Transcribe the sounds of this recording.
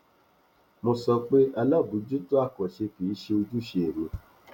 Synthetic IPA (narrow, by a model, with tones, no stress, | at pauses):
mõ˧sɔ˧k͡pe˦a˧la˦˨bu˨˦d͡ʒu˦to˦a˦˨kɔ˨ʃe˧fi˨˦ʃe˧o˧d͡ʒu˦ʃe˧e˨mĩ˧˦